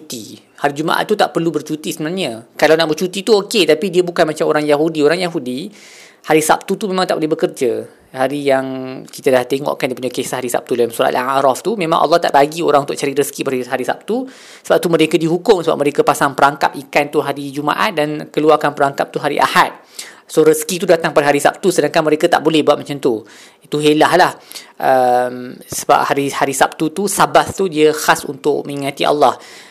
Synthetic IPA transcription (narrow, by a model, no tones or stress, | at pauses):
t͡ʃut̪i | haɾid͡ʒuma̰ʔa̰t̪ːut̪aʔpərlubərt͡ʃut̪isəmənarɲəkalawnaʔbərt͡ʃut̪it̪uoket̪apidiəbukanmat͡ʃamoɾaŋjaɦudioɾaŋjaɦudi | haɾisa̰p̚t̪ut̪umẽmaŋt̪a̰ʔbəlehbəkərd͡ʒə | haɾijaŋkit̪adaht̪eŋɔ̰ʔkandipuɲakesaɦaɾisa̰p̚t̪udalamsuɾa̰ʔ̪aaaɾɔft̪umẽmã̰ŋʔɑ̰lːɔht̪a̰ʔbaɡioɾaŋunt̪ʊʔt͡ʃaɾiɾəskibaɾiɦaɾisa̰p̚t̪u | səbap̚t̪umə̃ɾekədiɦukʊmsəba̰p̚məɾekəpasaŋpəɾaŋka̰p̚ikant̪uɦaɾid͡ʒuma̰ʔa̰t̪̚dankəluarkanpəɾaŋkap̚t̪uɦaɾḭʔa̰hat̪̚ | soɾəskit̪̬udat̪aŋpadaɦaɾisap̚t̪usədaŋkanməɾekat̪a̰ʔbolɛhbuat̪̚mat͡ʃant̪u | it̪uɦelahlahʔəmsəba̰p̚haɾihaɾisap̚t̪ut̪usabaθt̪udiəxasṵnt̪ʊʔ̚mə̃ŋiŋãt̪iʔa̰lːɑh